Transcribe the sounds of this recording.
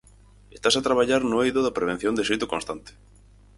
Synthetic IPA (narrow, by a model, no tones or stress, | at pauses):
est̪asat̪ɾaβ̞aʎaɾnʊejðʊðɐpɾeβ̞en̟θjond̪esejt̪ʊkonst̪ant̪e̥